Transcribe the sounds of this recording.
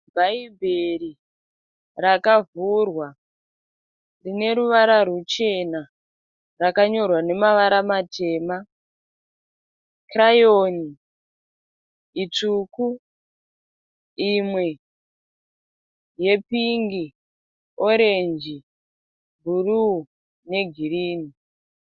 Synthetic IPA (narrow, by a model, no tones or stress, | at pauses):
bʱaibʱeri | rakavurwa | rine̞ɾuʋaɾaɾut͡ʃe̞na | rakaɲo̞rwane̞maʋaɾamatʰe̞ːma | krajoni | it͡ʂuku | imwe̞ | je̞piŋɡi | o̞ɾe̞nd͡ʒi | bʱuru | ne̞ɡʱiriːni